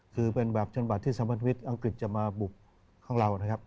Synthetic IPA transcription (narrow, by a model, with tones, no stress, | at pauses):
kʰɯː˧pe˧nbɛː˨˩p̚t͡ɕʰa˧nba˨˩t̪ʰːiː˥˩saː˨˦mpa˧˥nt̪ʰa˧˦˥t̪̚ʔa˧ŋkli˨˩t̪̚t͡ɕa˨˩maː˧bu˨˩k̚ʰː | aː˥˩ŋlaː˧wʔna˦˥kʰa˦˥p̚